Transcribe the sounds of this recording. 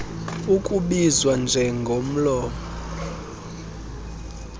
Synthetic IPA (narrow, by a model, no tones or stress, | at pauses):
ukʼuɓizwand͡ʒʱɛŋɡʱom̩lɔːmɔ